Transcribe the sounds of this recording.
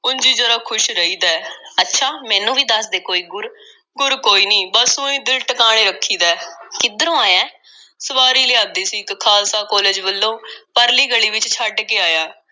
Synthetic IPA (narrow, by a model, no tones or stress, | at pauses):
ʊnd͡ʒiːd͡ʒəɾaːkʰʊʃɾəiːd̪aːətːʃʰaːmɛ̃ːnũːʋiːd̪əsd̪eːkoːiːɡʊɾ | ɡʊɾkoːiːniːbəsõːiːd̪ɪlʈəkaːɽ̃eːɾəkʰːiːd̪aːkɪd̪əɾõːaːjãː | səʋaːɾiːlɪːaːb̚d̪iːsiːkkʰaːlsaːkɔːleːd͡ʒbəlːõːpəɾliːɡəɭiːʋɪt͡ʃt͡ʃʰaɖkeːaːjaː